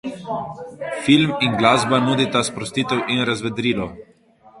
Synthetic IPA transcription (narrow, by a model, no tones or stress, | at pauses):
filmiŋɡlaːzbanuːd̪it̪aspɾɔst̪iːt̪ɛwʔinɾazʋɛd̪ɾiːlɔ